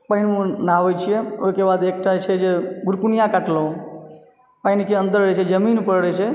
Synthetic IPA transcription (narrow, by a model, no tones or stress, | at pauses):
pəinmũnaʋojt͡ʃʰieojkebad̪ek̚ʈat͡ʃʰed͡ʒeɡʊɾkunjãkaʈlõ | painkeə̃nd̪əɾɾet͡ʃʰed͡ʒəminpəɾɽet͡ʃʰe